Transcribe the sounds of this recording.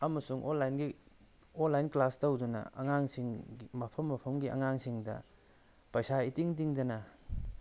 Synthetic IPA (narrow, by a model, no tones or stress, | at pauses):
ɐmɐsuŋʔonlːajnɡi | onlːajnklastowdunɐ̰ɐ̰ŋaŋsiŋmɐpʰɐmːɐpʰɐmɡiʔɐ̰ŋaŋsiŋdɐ̰ | pɐjsaitiŋtiŋdɐnɐ